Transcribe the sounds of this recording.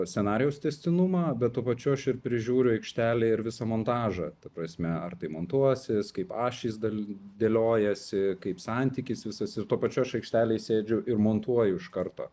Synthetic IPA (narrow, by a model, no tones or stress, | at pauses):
sʲɛnɑːɾʲɪjɛʊst̪ʲɛsʲt̪ʲɪnumɑːbʲɛt̪̚t̪ːuɔpɐt͡ʃʲʊɐʃɪrpʲɾʲɪʒʲuːɾʲʊɐɪkʃʲt̪ʲæːlʲeːɪɾʋʲɪsɑmont̪ɑːʒɐ̰t̪ɐpɾɐsʲmʲɛɐrt̪ɐɪmoːnt̪uɔsʲɪskɐɪpɑːʃʲiːsd̪ɐld̪ʲelʲoːjɛsʲɪkɐɪpsɑnʲt̪ʲɪkʲɪsʋʲɪsɐsɪrt̪uɔpɐt͡ʃʲuɐʃɐɪkʃʲt̪ʲæːlʲeːsʲeːd͡ʒʲʊʔɪɾmoːnt̪uɔjʊɪʃkɐrt̪o̰ː